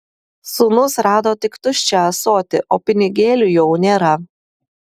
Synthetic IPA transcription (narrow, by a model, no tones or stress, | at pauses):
suːnʊsɾɑːd̪oːt̪ʲɪkt̪ʊʃʲt͡ʃʲɛɐsoːt̪ʲɪ̰ʔoːpʲɪnʲɪɡʲeːlʲujɛʊnʲeːɾɐ